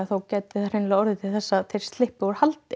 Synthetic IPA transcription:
aθawcɛːt̪ɪθaɾejnlaɔɾðɪt̪ʰɪlθɛsːaθejɾ̥st̪lɪhpɪɔɾ̥halt̪

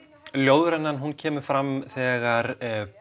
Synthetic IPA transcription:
ljoːwðʏɾɛnːanɦuncʰɛːmʏ̥fɾamθɛːɣaɾ

